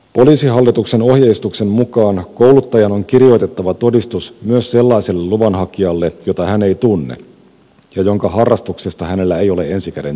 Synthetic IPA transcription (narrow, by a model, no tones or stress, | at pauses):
po̞liːsiɦɑlːit̪ukse̞no̞hjeist̪ukse̞mmukɑːnko̞ulut̪ːɑjɑno̞ŋkirijo̞jt̪e̞t̪ːɑʋɑt̪o̞dist̪usmyøsse̞lːɑise̞lːelːuʋɑnɦɑkiɑlːe̞jo̞t̪ɑhæne̞jt̪unːḛ | jɑjo̞ŋkɑɦɑrːɑst̪uksest̪ɑhæne̞lːæejo̞le̞ʔe̞nsikædḛn